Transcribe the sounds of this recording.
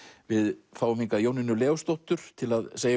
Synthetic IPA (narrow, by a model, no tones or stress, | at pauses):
vɪðfaːwʏmiŋkajoːwnɪnʏlɛːɣʏst̪owht̪ʏɾ̥t̪ʰɪlaðseːj